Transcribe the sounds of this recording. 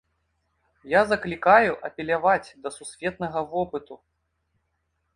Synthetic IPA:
jazɐklʲikajuʔɐpʲɛlʲavat͡sʲd̪ɐsusʲvʲɛt̪̚nɐɣɐvɔpɨt̪u

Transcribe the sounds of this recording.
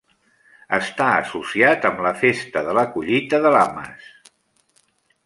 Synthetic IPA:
əst̪aə̰susiat̪əmləfest̪əðələkuʎit̪əðəlamə̰s

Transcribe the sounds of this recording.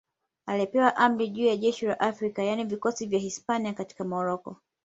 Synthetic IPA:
aliɛpɛwaʔam̩ɾiʄuːjaʄɛʃilaʔafɾikajanivikɔsivjahispaniakati̥kamɔɾɔkɔ̰

